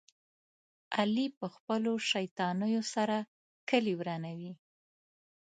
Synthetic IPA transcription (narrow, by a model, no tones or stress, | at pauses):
alipəxpəloʃajt̪ɑnəjosaɾa | kəliwɾanawi